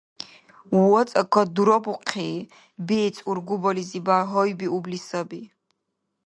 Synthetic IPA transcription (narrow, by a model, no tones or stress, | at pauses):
wɔt͡sʼəkʰɔd̪uɾɔbuqʰiː | bit͡sʼuɾɡubɔlizibaɦɔjbiublisɔbi